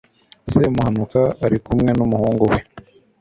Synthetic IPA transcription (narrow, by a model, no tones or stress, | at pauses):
semuhanukaaɾikumŋe̞numuhuːŋɡuwe